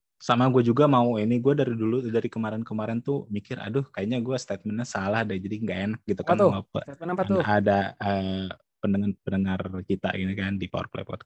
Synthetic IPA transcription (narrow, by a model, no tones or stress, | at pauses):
samaɡuad͡ʒuɡamauiniɡuadaɾiduludaɾikəmaɾɛnkəmaɾɛnt̪umikɪɾa̰dʊhkajaɲaɡuast̪et̪̚mɛnasalahdad͡ʒadiŋɡaenak̚ɡit̪uknapə̰tadaə | pənəŋarpənəŋarkit̪a̰ʔinikandipɔ̰rklḛpɔ̰t̪̚